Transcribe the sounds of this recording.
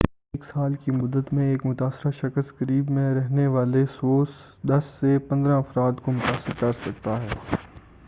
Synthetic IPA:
eːksaːlkimʊd̪ːət̪mẽeːkmʊt̪aːsɪɾaʃɐkəskəɾiːbmẽɾɛɦneʋaːlesoːsd̪ɐsːepɐ̃nd̪ɾãɐfɾaːt̪komʊt̪aːsɪɾkɐɾsɐk̚t̪aɦɛː

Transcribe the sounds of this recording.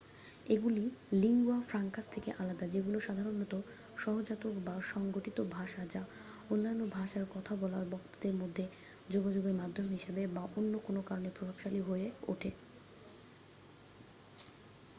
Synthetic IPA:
eɡuliliŋɡuafɾaŋkast̪ʰekeʔalad̪ad͡ʑeɡuloʃad̪ʱaɾonːɔt̪o | ʃɔɦod͡ʑat̪okbaʃɔŋɡoʈit̪obʱaʃad͡ʑa | onːanːobʱaʃaɾkɔt̪ʰabɔlaɾbɔkt̪od̪eɾmod̪ʱːe | d͡ʑoɡad͡ʑoɡeɾmad̪ʱːomɦiʃebebaʔonːokonokaɾonepɾobʱabʃaliɦoeo̰ʈʰe

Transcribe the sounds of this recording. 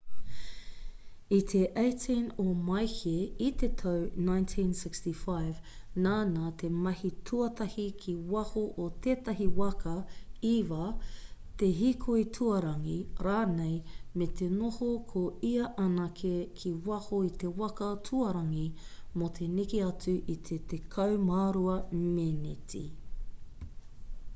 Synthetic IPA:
it̪ʰe̞ʔejtʰinomɐjkeit̪et̪ʰɐwnãjntʰĩnsɪkstifajv | naːnat̪ʰe̞mɐhitʰuɐt̪ɐhikʰiwɐhoʔot̪ʰeːt̪ɐɦiwɐkɐivɐt̪eɦikʰoitʰuɐɾɐŋiɾaːnejmet̪ʰenohokʰoiɐʔɐnɐkʰekʰiwɐhoit̪e̞wɐkɐtʰuɐɾɐŋimot̪ʰe̞nikiɐt͡suʔit̪ʰet̪ekʰɐwmaːɾuɐmenitʰḭ

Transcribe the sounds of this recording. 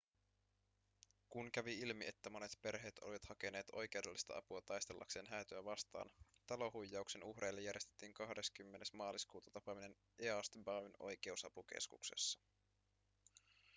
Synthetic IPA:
kunkæʋiilmie̞t̪ːæmo̞ne̞t̪pe̞rɦe̞ːt̪o̰liʋɑt̪hɑke̞ne̞ːt̪o̞̰jke̞wde̞lːist̪ɑ̰ɑ̰puɑt̪ɑjst̪e̞lːʔɑ̰kse̞ːnɦæːt̪øæʋɑst̪ɑ̰ːnt̪ɑlo̞hujːɑukse̞nuhre̞jlːejæɾjest̪et̪ːiːŋkɑhde̞skymːene̞smɑːliskuːt̪ɑ̥t̪ɑpɑmine̞n | ʔeɑst̪bɑyno̞jk̟e̞usɑpuk̟ḛskukse̞̰sːɑ̥

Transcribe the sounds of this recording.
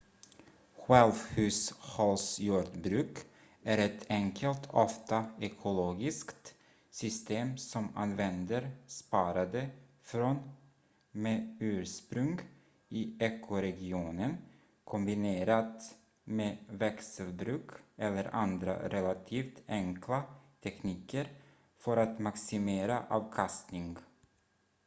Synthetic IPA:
ɧɛlvhʉ̟ːshɑlsjuːɖbɾʉ̟ːk | ʔæɾɛt̪ʰɛŋkʰəlt̪ʰɔft̪aɛkʰʊloːɡɪskt̪ | sʏst̪eːmsɔma̰nvɛnd̪əɾspɑːɾad̪ə | fɾon | meːʉ̟ːɾspɾɵŋɡ | ɪɛkʰːʊɾɛɡɪuːnən | kʰɔmbɪneːɾat̪ | meːvɛksəlbɾʉ̟ːkʔɛlːəɾʔand̪ɾa̰ɾʔɛlat̪ʰiːft̪ɛŋkʰlat̪ʰɛkniːkəɾ | fœɾat̪maksɪmeːɾaʔɑːvkʰast̪nɪŋɡ

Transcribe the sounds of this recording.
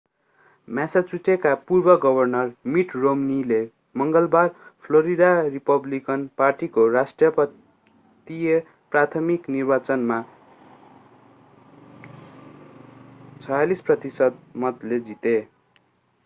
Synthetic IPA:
masat͡suʈekapurbʌɡʌbʱʌrnʌrmiʈromnile | mʌŋɡʌlbarpʰloɾid̪aripʌblikʌnparʈikorasʈrjʌpʌ | t̪ie | prat̪ʰʌmiknirbat͡sʌnma | t͡sʰʌjalisprʌt̪isʌd̪̚mʌt̪led͡zit̪e

